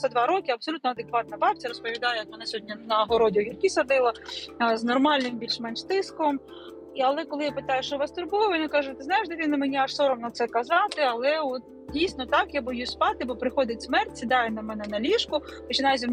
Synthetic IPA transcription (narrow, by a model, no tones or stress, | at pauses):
sɛd̪ʋɑɾɔkʲɪɐb̥sɔlʲut̪nɐd̪ekʋɑt̪̚nɐbɑp̚ʲt͡sʲɐɾɔspɔʋʲid̪ɑjɛjɔt̪mɔnasʲɔɦɔdʲnʲɐnɐɦɔɾɔdʲɪɔɦʲirʲkisɐd̪ɪlˠɐznɔrmɑlʲnɪmbʲilʲʃmɛnʃt̪ɪskɔm | iɐlˠɛkɔlˠɪjapɪt̪ɑjʊʃt͡ʃɔʋɑst̪ʊrbujʋɔnakɑʒʊt̪ɪznɑjɪʒd̪ɐʋʲinɐmenʲiaʃsɔɾɔmnɐt̪sɛkɐzɑt̪ɪɐlˠɛɔt̪̚ | dʲijsʲnɔt̪ɑkjabɪjuspɑt̪ɪbɔpɾɪxɔd̪ʲɪtʲsmɛrtʲsʲid̪ɑjɛnɐmɛnɛnɐlʲiʃkʊpɔt͡ʃɪnɑjɪz̬ʲin